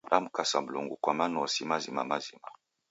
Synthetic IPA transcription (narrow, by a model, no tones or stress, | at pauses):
ɗamukasam̩luŋɡukwamanɔsimazima̰mazima